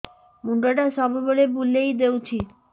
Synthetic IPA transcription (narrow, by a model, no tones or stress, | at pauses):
muɳɖaʈaʃɔbʱbolebulːejd̪ewt͡ɕʰi